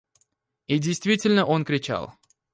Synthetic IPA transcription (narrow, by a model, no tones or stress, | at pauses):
idʲejst̪vʲitʲɪlʲnəʔo̞nkɾʲɪt͡ɕa̰lˠ